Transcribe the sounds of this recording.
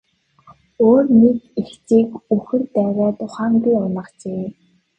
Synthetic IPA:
oːrnekext͡siːkɵxɘ̆rt̪æːɣʲaːt̪ʊχaːŋpʲiːʊnə̆qt͡ɕeː

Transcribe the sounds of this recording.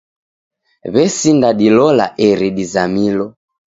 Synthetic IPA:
βɛsindaɗilɔla̰ʔɛɾiɗizamilɔ

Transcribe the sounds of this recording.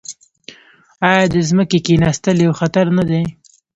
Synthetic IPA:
ɑjɑd̪əzməkekenast̪əljawxat̪aɾnad̪e

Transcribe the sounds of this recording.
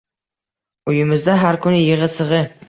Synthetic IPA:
ʊjɪmɪzd̪aɦaɾkʰʊnɪjɪʁɨsɨʁɨ

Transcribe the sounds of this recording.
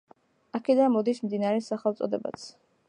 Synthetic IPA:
akʰɛd̪anmɔd̪ismd̪inaɾɛsaχɛlˠt̪sʼɔ̰d̪ɛba̰t̪sʰ

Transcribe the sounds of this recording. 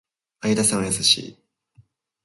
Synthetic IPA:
ajɯd̪asãɰ̃ajasaɕḭː

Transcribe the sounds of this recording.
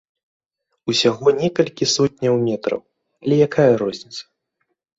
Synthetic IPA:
usʲaɣɔnʲɛkɐlʲkʲisɔt̚ʲnʲɐwmʲɛt̪ɾɐ̰w | ɐlʲɛjakʰajɐɾɔzʲnʲit̪sɐ̥

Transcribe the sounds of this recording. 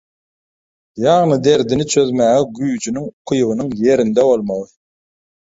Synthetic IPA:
jɑʁnɨd̪eɾd̪ɪnit͡ʃʰøzmæɛɡyjyd͡ʒʰynyŋqʰʊjʁɨnɨŋjeɾind̪ɛolˠmɑlˠɨ

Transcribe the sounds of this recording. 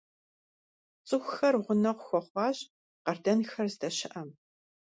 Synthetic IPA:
t͡sʼɨxʷxɐrʁʷʊnɐʁʷʊxʷɔχʷɑːʑ | qɐrdɐnxɐrzdɐɕɪʔɐm

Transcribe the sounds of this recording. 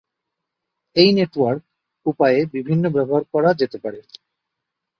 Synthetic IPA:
ejneʈwaɾk̚ | upaebibʱinːobɛboɦaɾkɔɾad͡ʑet̪epaɾe

